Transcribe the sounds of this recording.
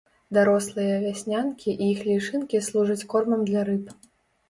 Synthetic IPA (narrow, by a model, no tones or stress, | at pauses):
d̪aɾɔslˠɨjɐvʲasʲnʲankʲiʔiixlʲiʂɨnkʲislˠuʐɐt͡sʲkɔrmɐmd̪lʲɐɾɨp